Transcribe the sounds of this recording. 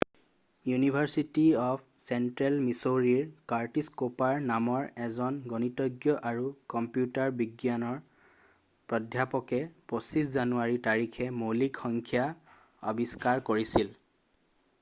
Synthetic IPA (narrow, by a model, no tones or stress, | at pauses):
junibʱaɹsitiɔp̚ʰsɛntɹɛlmisoɹiɹkaɹtiskopaɹnamɔɹɛzɔnɡɔnitɔɡjɔʔaɹukɔmpjutaɹbiɡjanɔɹ | pɹɔdʱjapɔkɛposiszanuaɹitaɹikʰɛmolikxɔŋkʰja | ɔ̰biskaɹkoɹisil